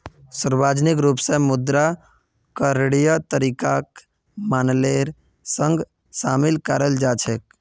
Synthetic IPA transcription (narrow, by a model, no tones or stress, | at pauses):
səɾbaːd͡ʒnikɾupsẽmʊd̪ɾa | kəɾeɽijət̪əɾikak | maːnleɾ | sə̃ŋɡ | saːmɪlkəɾəld͡ʒaːt͡ʃʰek̚